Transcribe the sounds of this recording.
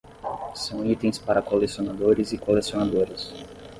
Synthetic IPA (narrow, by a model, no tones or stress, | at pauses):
sɐ̃w̃it̪ẽj̃spaɾɐkolesionad̪oɾɪzɪkolesionad̪oɾɐs